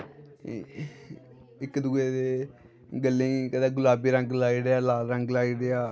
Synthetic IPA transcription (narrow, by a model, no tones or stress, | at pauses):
ɪkd̪uːeːd̪eː | ɡəlːeĩːkəd̪aːɡʊlaːbiːɾəŋɡlaːiːɽeaːlaːlɾəŋɡlaːiːɽeaː